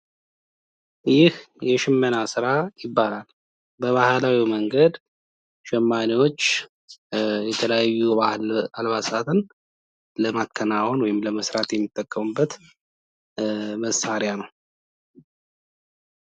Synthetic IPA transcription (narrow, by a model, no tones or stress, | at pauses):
jɪh | jɛʃɪmːənasɨɾajɪbːalal | bəβahlawiməŋɡəd̪ | ʃɛmːaniwo̞t͡ʃː | jɛt̪ʰələjajːualβasat̪ʰɨn | ləmakʰːənawonwɔjɪmləməsɾat̪jɛmːit̪ʼːəkʼːəmubːət̪ | məsaɾɪjanəw